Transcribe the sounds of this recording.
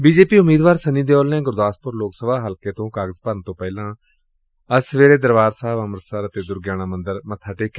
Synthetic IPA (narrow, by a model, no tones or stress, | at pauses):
biːd͡ʒeːpiːʊmːiːd̪ʋaːɾsəniːd̪eːoːlnẽːɡʊɾd̪aːspʊɾloːksəbaːɦəlkeːt̪õːkaːɡəzpəɾənt̪õːpɛːlãː | əsʋeːɾeːd̪əɾʋaːɾsaːbəmɾəsəɾət̪eːd̪ʊɾɡjaːnaːmənd̪əɾmət̪ʰːaːʈeːkː